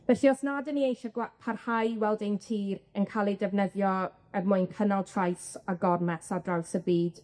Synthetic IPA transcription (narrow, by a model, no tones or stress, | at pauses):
v̥ɛɬiɔsnadəniejʃaɡwapʰarhajwɛlˠdentʰiːrənkʰalˠidɛvnəðjɔ | ərmʊjnkʰənalˠtʰrajsaɡɔrmɛsadrawsəbiːd̥